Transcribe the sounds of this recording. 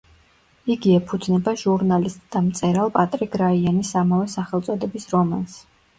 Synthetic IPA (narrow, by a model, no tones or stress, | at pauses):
iɡiɛpʰud̪znɛbaʒuɾnalist̪ʼd̪amt̪sʼɛɾalˠpʼat̪ʼɾiɡɾaianisːamavɛsaχɛlˠt̪sʼɔd̪ɛbisɾɔmans